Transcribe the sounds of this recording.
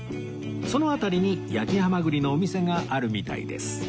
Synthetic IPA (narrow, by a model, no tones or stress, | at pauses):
so̞no̞at̪aɾʲiɲ̟ijakʲihamaɡɯ̟ɾʲino̞ːmʲise̞ŋaʔaɾɯ̟mʲit̪a̰ḭd̪e̞̰sɨ̥